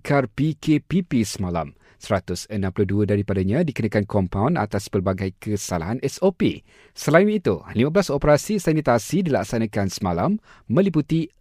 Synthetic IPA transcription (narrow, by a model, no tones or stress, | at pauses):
kʰarpikʰepipisəmala̰m | səɾat̪ʊsənãmpuluduədaɾipadaɲãdikənakankɔmpawna̰t̪aspərbaɡajkəsalaɦanʔɛsopḭ | səlainit̪ulimabəlasopəɾasisanit̪asidilaksanãkansəmalamː | ə̃liput̪i